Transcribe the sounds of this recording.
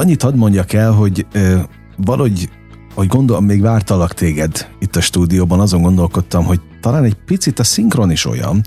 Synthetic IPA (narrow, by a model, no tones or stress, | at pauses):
ɒɲːit̪ɒd̪mo̞ɲɟɒkɛlɦo̞ɟøː | vɒlʔho̞ɟ | hoɟɡo̞nd̪o̞lomːeːɡʋaːrt̪ɒlɒkt̪ʰeːɡɛd̪it̪ːɒʃt̪uːd̪ijoːbɒnɒzo̞ŋɡo̞nd̪o̞lko̞t̪ːɒmɦo̞ɟt̪ɒlaːnɛɟpit̪sit̪ɒsiŋkro̞niʃo̞̰jɒ̰n